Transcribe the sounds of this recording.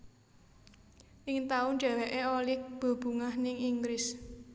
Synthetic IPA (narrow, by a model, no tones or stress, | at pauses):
ʔɪŋt̪aʊnd͡ʒ̥ɛ̤wɛʔeolɪk̚b̥o̤b̥ṳŋahnɪŋiŋɡɾɪs